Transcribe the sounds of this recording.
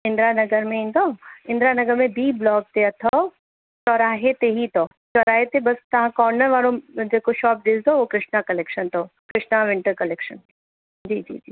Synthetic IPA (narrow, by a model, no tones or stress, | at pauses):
ɪ̃nd̪ɾanɐɡəɾmẽɪ̃nd̪ɔɪ̃nd̪ɾaːnɐɡəɾmẽbiːblɔːɡ̚t̪eɐt̪ʰɔ | t͡ʃɔɾaːɦet̪eɦit̪ɔ | t͡ʃɔɾaːɦet̪ebɐst̪ɐɦãkɔːɾnəɾʋaːlõd͡ʒekoʃɔːp̚d̪ɪsd̪oʋokɾɪʃnakɐleːkʃənt̪ɔkɾɪʃnaʋɪ̃ɳʈəɾkɐlekʃən | d͡ʒiːd͡ʒḭːd͡ʒiː